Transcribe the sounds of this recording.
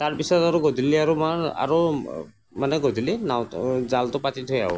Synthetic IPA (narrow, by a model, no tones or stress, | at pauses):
taɹpisɔtaɹuɡɔdiliaɹumaɹa̰ɹu | manɛɡɔdʱilinawzaltʊpatitʰojaʊ̰